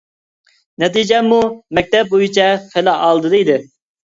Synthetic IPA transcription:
nɛt̪id͡ʒɛmːumɛk̚ʲt̪ɛp̚bojit͡ʃʰɛχɪlɑʔɑlˠd̪ɨd̪ejd̪ɪ

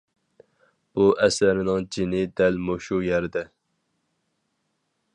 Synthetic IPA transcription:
b̥uʔɛsæɾnɨŋd͡ʒinɪd̪ɛlmoʃujɛɾɪd̪ɛ

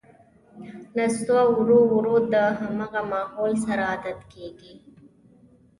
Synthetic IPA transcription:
nast̪wawɾuwɾud̪̚d̪əɦamaɣamɑːholsaɾaːd̪at̪kʰeɡi

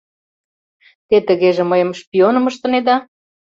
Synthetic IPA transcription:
t̪et̪ə̆ɣeʒĕməjə̆mʃpʲionɤ̆məʃt̪ɤ̆ned̪ɑ

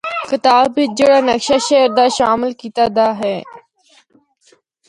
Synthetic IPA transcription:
kɪt̪aːbbɪd͡ʒeːɽaːnəkʃaːʃeːɾd̪aːʃaːmɪlkiːt̪aːd̪aːɦɛː

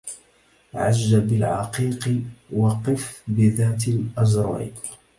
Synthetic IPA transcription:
ʕaʒːabɪlʕɑ̰qiːqwɑqɨfbɪðaːt̪ɪlʔɑzɾ̰ˤ

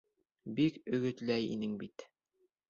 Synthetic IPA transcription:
bikɵ̆ɡɵ̆t̪læjḭnɘŋbit̪

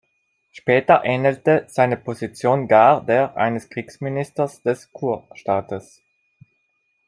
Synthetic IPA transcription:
ʃpɛːtɐʔɛnəltəz̥aɪnəpʰozit͡sjoːnɡaːdeːɐʔa̰ɪnəskʁ̥iːksminɪstɐsd̥ɛskʰuːɐʃtaːtəs

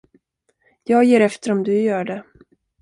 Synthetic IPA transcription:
jɑːɡjeːɾɛft̪əɾɔmd̪ɵjœːɖɛ

